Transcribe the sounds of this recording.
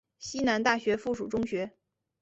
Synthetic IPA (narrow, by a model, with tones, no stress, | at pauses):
ɕi˥na˧˥nt̪a˥˩ɕɥɛ˧˥fu˥˩ʂu˨˩ʈ͡ʂʊ˥ŋɕɥɛ˧˥